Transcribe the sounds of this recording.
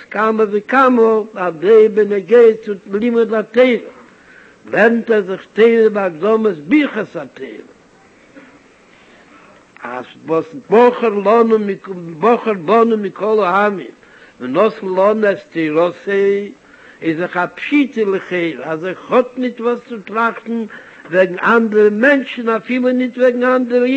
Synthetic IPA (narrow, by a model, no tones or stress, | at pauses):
skaməvɪkaməadeɪbɪnəɡeɪət͡sʊlˠimʊdateɪɾə | vɛɾn̩tɛzɪχteɪɾəbaɡdɔməsbiχəsateɪɾə | a̰svɔsbɔχəɾlˠɔnəɪbɔχəɾbɔnəmɪkʰɔlˠəamɪ̰n | vɛnɔs̩lˠɔnɛsteɪɾɔse | ɪzɪχapʃitəlˠɪχeɪɾazeɪχhɔtnɪtvɔst͡sɪtɾaχtn̩ | vɛɡŋ̩andəɾəmɛnʃn̩afilˠənɪtvɛɡŋ̩andəɾə